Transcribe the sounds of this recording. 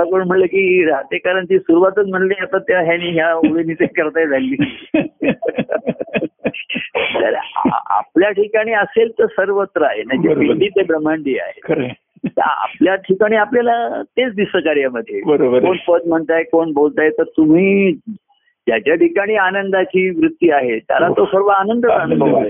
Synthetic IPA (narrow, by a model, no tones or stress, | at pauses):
apəɳm̤əɳləkiːɾat̪ekaɾaɳt͡ɕiːsuɾuʋat̪ət͡sm̤əɳliːat̪at̪jɦjañiːɦjaoʋenit̪ekəɾt̪ajd͡zʱalːiː | t̪ə̰ɾa̰pljaʈʰikaɽ̃iːəselt̪əɾsəɾʋət̪ɾəaɦenad͡ʑepid̪iːt̪ebɾəmːaɳɖiːa̰ɦḛkəɾ | ə̰a̰pljaʈʰikaɽ̃iːapljalat̪et͡sd̪isəkaɾjaməd̪ʱːjebəɾkoɳpəd̪m̤əɳt̪aekoɳbolt̪ajt̪əɾt̪um̤iː | d͡ʑjat͡ɕjaʈʰikaɽ̃iːanənd̪at͡ɕiːʋɾut̪ːjiaɦet̪ja̰lat̪osəɾʋəanənd̪ət͡sãɳk̪o